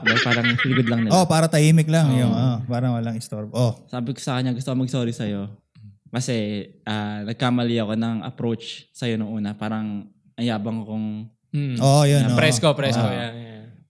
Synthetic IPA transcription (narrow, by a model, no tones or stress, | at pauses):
lɐpaːɾɐŋsɪlɪɡod̪lɐŋnɪlopaːɾɐt̪ɐjiːmɪklaŋjoŋʔopaːɾɐŋwɐlaŋɪst̪oɾbʔosaːbɪko̥sɐkɐɲːaɡʊst̪okomɐɡ̚soɾisɐjo̞ | kɐsɛʔaːnɐɡ̚kamɐliɐko̞nɐŋʔɐ̰pɾot͡ʃsɐjo̞nʊŋʔuːnɐpaːɾɐŋ | ʔɐjaːbɐŋɐkoŋ | ʔoʔjonopɾɛskopɾɛskoja